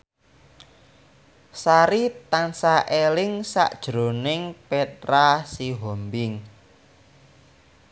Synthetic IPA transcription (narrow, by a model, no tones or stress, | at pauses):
saɾit̪ansaʔelɪŋsa̰ʔd̥ʒ̥ɾo̤nɪŋpet̪ɾasiɦombɪŋ